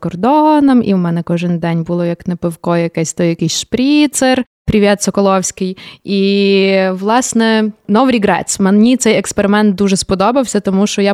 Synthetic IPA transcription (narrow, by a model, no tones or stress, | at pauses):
kɔrd̪ɔnɐmḭwmɛnɛkɔʒɪnd̪ɛnʲbulˠɔjɐknɛpewkɔjjɐkɛsʲt̪ɔjjɐkɪjsʲʃpɾʲit̪ser | pɾʲiʋʲjat̪sɔkɔlˠɔwsʲkɪji | ʋlˠɑsnɛnɔʋɾʲiɡɾɛ̰smɐnnʲit̪sɛjɛkspeɾɪmɛnt̪̚d̪uʒɛspɔd̪ɔbɐwsʲɐt̪ɔmuʃt͡ʃɔja